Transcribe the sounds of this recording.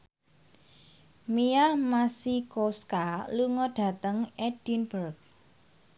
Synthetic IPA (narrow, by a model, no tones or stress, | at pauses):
mijahmasikoskaluŋɔɖ̥a̤t̪əŋɛd̥inbərk̚